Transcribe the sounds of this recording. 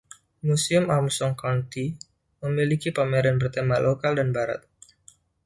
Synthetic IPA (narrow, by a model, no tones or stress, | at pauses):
musiʊmamsɔŋkawnt̪i | məmilikipameɾɛnbərt̪emalokaldanbaɾa̰t̪̚